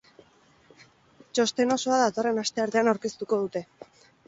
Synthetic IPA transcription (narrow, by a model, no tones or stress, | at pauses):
t͡ʃo̞st̪e̞no̞so̞aðat̪o̞re̞nast̪e̞aɾðeanawɾke̞st̪uko̞ð̞ut̪e̞